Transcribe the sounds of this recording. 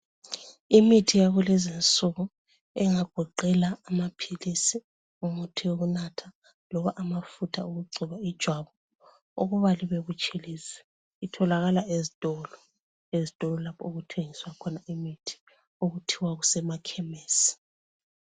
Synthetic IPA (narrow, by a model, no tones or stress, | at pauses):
imitʰijaɣulɛzint͡sʼuɣɔ | ɛŋaɡ̥ʱɔǃɛlaːmapʰilisi | ŋumutʰiwoɣunatʰa | lɔβaʔamafutʰauɣuɡ͡ǀʱuβaid̥ʒ̥ʱwaβɔ | o̰ɣuβaliβeɣut͡ʃʼilisɛ̥ | itʰɔlaɣalaezitʼɔlɔ | ezitʼɔlɔlapʰɔuɣutʰeŋiswakʰɔnaʔimitʰi̥ | oɣutʰiwaɣusɛmakʰɛmɛːsi̥